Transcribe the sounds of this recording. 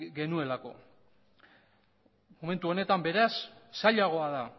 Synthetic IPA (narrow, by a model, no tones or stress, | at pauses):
ɡe̞nue̞lako̞̰ | mo̞me̞nt̪uo̞ne̞t̪ambe̞ɾasːaʎaɣ̞o̞aða